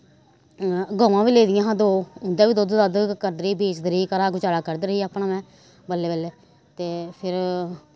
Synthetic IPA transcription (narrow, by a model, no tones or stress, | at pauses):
ɡɔːʋãːʋiːleːd̪ɪjãːɦãːd̪oːʊnd̪aːʋiːd̪oːd̪d̪əd̪kəɾd̪ɾiːbeːt͡ʃd̪əɾiːkəɾaːkʊt͡ʃaːɽaːkəɾd̪ɾəiːaːpɳãːmɛ̃ː | bəlːeːbəleː | t̪eːpʰɪɾ